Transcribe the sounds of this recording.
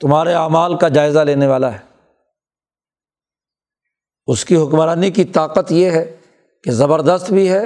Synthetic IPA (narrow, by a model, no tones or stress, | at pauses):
t̪ʊmɦaːɾeaːmaːlkad͡ʒaːɪzaleːneʋaːlaɦɛː | ʊskiɦʊkmɾaːnikit̪aːqət̪jeɦɛ | kezɐbəɾd̪əst̪bʱiɦɛ